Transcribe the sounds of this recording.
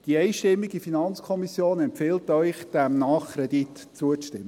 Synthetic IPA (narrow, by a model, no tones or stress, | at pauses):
d̥iɛɪʃtɪmːiɡifinɑnt͡skʰɔmisjoːnɛmpfɪltœʏχd̥ɛmnɑːχkʰɾɛd̥it | t͡suətɪmə